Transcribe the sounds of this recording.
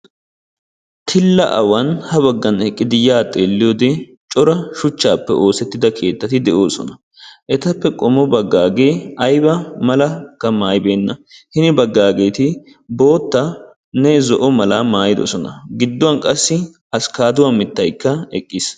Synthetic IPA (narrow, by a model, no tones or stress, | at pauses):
t̪ʰɪlːɐ̰ʔɐwɐnhɐbɐɡːɐnɛkʼːɪd̪ɪjaːt̪ʼːeːlːɪjoːd̪ɛ | t͡ʃʼɔɾɐʃʊt͡ʃːaːpːɛ̰ʔo̞ːsɛt̪ːɪd̪ɐkʰe̞ːt̪ːɐt̪ɪd̪ɛʔoːsɔ̰nɐ | ʔɛt̪ɐpːɛkʼɔmɔbɐɡːaːɡe̞ːɐjbɐmɐlɐkːɐmaːjbe̞ːnːɐhɪnɪbɐɡːaːɡe̞ːt̪ɪ | bo̞ːt̪ːɐ | nɛzɔʔɔmɐlamaːjɪd̪ɔ̰sɔnɐ̰ɡɪd̪ːɔwɐnkʼɐsːɪ | ɐskaːd̪ʊwɐmɪt̪ːɐjkːɐɛkʼːɪs